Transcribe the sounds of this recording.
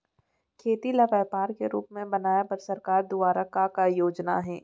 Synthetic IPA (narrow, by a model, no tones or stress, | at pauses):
kʰeːt̪ilɐʋɛːpaːɾkeɾṵːpmẽbɐnaːjapɐɾsɐɾkaːɾd̪ʊaːɾakakajoːd͡ʒna̰ɦɛː